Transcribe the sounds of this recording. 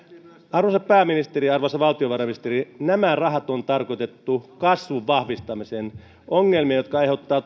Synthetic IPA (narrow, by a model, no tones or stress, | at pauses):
ɑrʋosɑpæːminist̪eriɑrʋosɑʋɑlt̪ioʋɑrɑmiist̪erinæmærɑɦɑt̪ont̪ɑrkot̪et̪ːukɑsʋuʋːɑhʋist̪ɑmisen | ʔoŋːelmiɑjot̪̚kɑɑjheut̪ːɑː